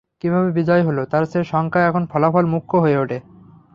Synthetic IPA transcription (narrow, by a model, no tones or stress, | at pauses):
kibʱabebid͡ʑɔjɦolot̪aɾseʃɔŋkaɛkʰonfʰɔlafɔlmukʰːoɦoeoʈʰe